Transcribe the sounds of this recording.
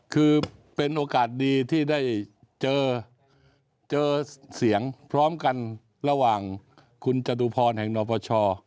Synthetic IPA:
kʰɯː˧pe˧nʔoː˧kaː˨˩t̪̚diː˧t̪ʰiː˥˩da˥˩j | t͡ɕɤː˧ | t͡ɕɤː˧si˩˦əŋpʰɾɔː˦˥mka˧n | ɾa˧waː˨˩ŋ | kʰu˧nt͡ɕa˧t̪uː˧pʰɔː˧nɦɛ˨˩ŋnɔː˧˩pʰɔː˧t͡ɕʰɔː˧

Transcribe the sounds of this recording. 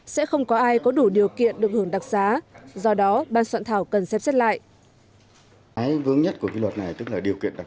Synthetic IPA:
sɛ̰˧˥xə˧wŋ͡mkɔ˨˦ʔaː˧jkɔ˨˦ɗu˧˩ɗi˨˩əwkḭ˧˨ənɗɨ˨˩ək̚həŋɗa˨˩k̚zaː˨˦zɔ˧ɗɔ˨˦ɓaː˧˨nswa̰ː˧˨nt̪ʰaː˧˩wkə˨˩nsɛ˦˥p̚sɛ˦˥t̚la̰ː˧˨jʔ | aː˨˦jvɨ˨˦əŋɲə˦˥t̚ku˧˩əvḭ˧˨lwə˨˩t̚na˨˩jt̪ɨ˦˥k̚laː˨˩ɗi˨˩əwkḭ˧˨ənɗa˨˩k̚

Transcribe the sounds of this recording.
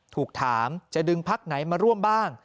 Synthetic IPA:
t̪ʰuː˨˩k̚t̪ʰaː˩˦mt͡ɕa˨˩dɯ˧ŋpʰa˦˥˩k̚na˩˦jmaː˧ɾu˥˩əmbaː˥˩ŋ

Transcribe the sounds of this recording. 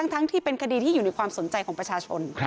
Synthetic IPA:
a˦˥ŋt̪ʰa˦˥ŋt̪ʰiː˥˩pe˧nkʰa˧diː˧t̪ʰiː˥˩juː˨˩na˧jkʰwaː˧mso˩˦nt͡ɕa˧jkʰɔː˩˦pɾa˧t͡ɕʰaː˧t͡ɕʰo̰˧n

